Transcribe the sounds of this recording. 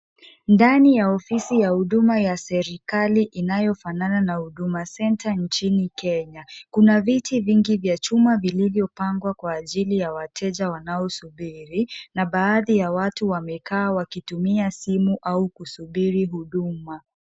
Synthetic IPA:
ndanijaɔfisijahuɗumajasɛɾikaliʔinajɔfanananahuɗumasɛntant͡ʃinikɛɲakunavitiviŋɡivjat͡ʃumavilivjɔpaŋɡwakwaːʄilijawatʰɛʄawanaɔsuɓiɾinaɓaːðijawatuwamɛkaːwakitumiasimuʔaukusuɓiɾiɦuɗuma

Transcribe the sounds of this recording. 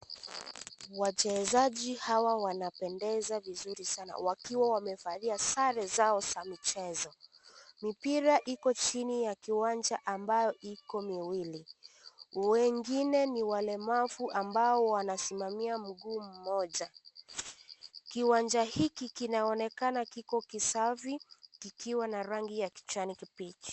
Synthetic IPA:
wat͡ʃɛzaʄihawawanapɛndɛzavizuɾisana̰wakiwawamɛfaðiasaɾɛzaɔsamit͡ʃɛzɔ | mipiɾaʔikɔt͡ʃinijakiwand͡ʒaʔambajɔʔikɔmiwili | wɛŋɡinɛniwalɛmavuʔambaɔwanasimamiam̩ɡuːm̩mɔʄa | kiwand͡ʒahikikinaɔnɛkanakikɔkisavikikiwanaɾaŋɡijaki̥t͡ʃwanikipit͡ʃi̥

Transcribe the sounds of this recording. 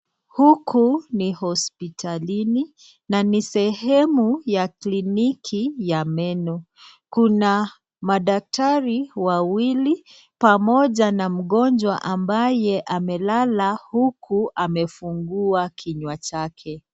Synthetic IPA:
hukunihɔspitʰalini | nanisɛhɛmujaklinikʰijamɛnɔ | kuna | maɗak̚taɾiwawili | pamɔʄanam̩ɠɔnd͡ʒwaʔambajɛʔamɛlalahukʰuamɛfuŋɡuakʰiɲwat͡ʃakʰɛ

